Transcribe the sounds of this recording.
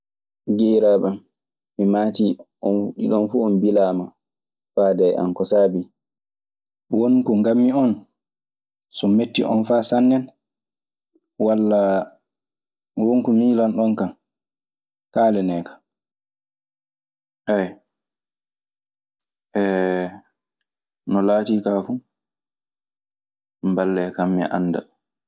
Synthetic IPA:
ɡiːɾaːɓam | mimatiʔɔnɗiɗɔnfuɔnbilaːma | faːdɛja̰nkɔsaːbi | wonkɔŋɡamːiɔn | sɔmetːiʔɔ̰nfasanːɛn | walːa | woŋkumiːlanɗɔnkam | kaːlɛnɛːkḁ | ʔɛj | ʔɛ | nɔlaːtiːkafu | mbalːɛkamːɛ̰ʔa̰nːda̰

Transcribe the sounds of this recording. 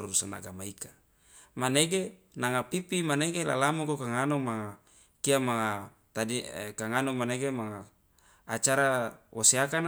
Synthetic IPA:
ɾuɾusana̰ɡamaika | maneɡe | naŋapipimaneɡela̰lamukokaŋanomaŋa | kiamaŋa | t̪adikaŋanomaneɡemaŋaː | t͡ʃaɾawaseakan

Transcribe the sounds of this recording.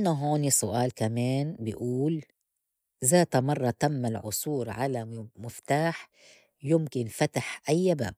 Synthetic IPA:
ʔʔanaɦoːnisʊʔaːlkameːnbɪʔuːl | zaːt̪amɑrˤːɑt̪amːalʕʊsˤuːɾʕalamɪft̪aːħ | jʊmkɪnfat̪aħʔajːaba̰ːb̚

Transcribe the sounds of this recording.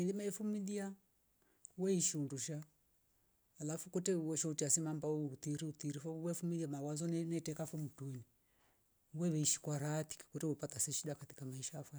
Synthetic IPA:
ɛlimaɛfumiðia | wɛiʃiunduʃa | alafukutɛwɔʃɔutiasimambaut̪iɾiut̪iɾifɔwɛfumiliamawazɔnnɛtɛkafɔmutuɛni | wɛβɛiʃi̥kwaɾati̥ki̥kutɛwɛpatasɛʃiɗakati̥kamaiʃaːfa

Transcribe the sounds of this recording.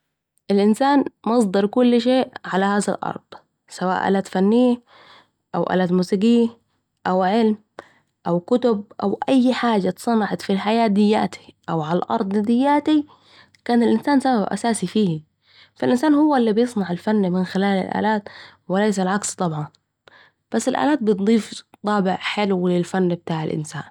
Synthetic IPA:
ʔɪlʔɪnsaːnmɑs̬ˤd̪ɑɾˤkʊlːʃeːʔʕalahaːza̰lʔɑ̰ɾˤd̪̥ˤ | sawa̰ːʔa̰ːlaːt̪fanːɪjːa | ʔawʔa̰ːlaːt̪muːsiːɡɪjːa | ʔawʕɪlm | ʔawkʊt̪ʊb̚ʔawʔajːħaːd͡ʒːat̪sˤɑnɑʕɑt̪filħajaːt̪̚d̪ɪjːa̰ːt̪ʰi̥ʔawʕalalʔɑ̰ɾˤd̪ˤd̪ɪjːaːt̪i | kaːnalʔɪnsaːnsababʔa̰saːsifiːhi | falʔɪnsaːnhʊwːaʔɪlːibjɨsˤnɑʕalfanːmɪnxɪlaːla̰lʔa̰ːlaːt̪wɪlajs̬alʕakst̪ˤɑbʕɑn | b̥asːalʔa̰ːlaːt̪̚bɪt̪̚d̪ˤiːft̪ˤɑːbɪʕħɪlwlɪlfanːbɪt̪aːʕalʔɪ̰nsa̰ːn

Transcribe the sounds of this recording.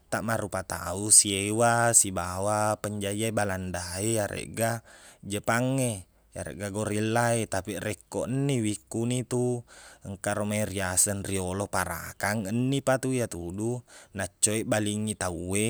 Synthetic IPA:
t̪aʔmaɾupat̪a̰usiewasibawapəɲd͡ʒaiaibalandaejaɾʔḛʔɡad͡ʒəpaŋːe | ja̰ɾḛʔɡaɡoɾilːaet̪apirɛkːoʔənːiwikːunit̪uəŋkaɾomairiasənriolopaɾa̰kaŋənːipat̪uijat̪udunat͡ʃːoeʔbaliŋːit̪aue

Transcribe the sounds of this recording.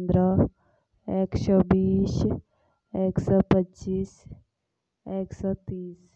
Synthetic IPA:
nd̪ɾə | ekʃɔbiːs | eːksɔpətːt͡ʃiːs | eːksɔt̪iːs

